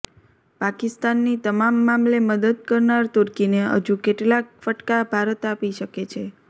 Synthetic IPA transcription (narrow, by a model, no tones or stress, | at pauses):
pakist̪anːit̪əmamːamleməd̪əd̪̚kəɾnaɾt̪oɾkineɦə̰d͡ʒũkeʈlak̚fəʈkabʱaɾət̪apiʃəket͡ʃʰe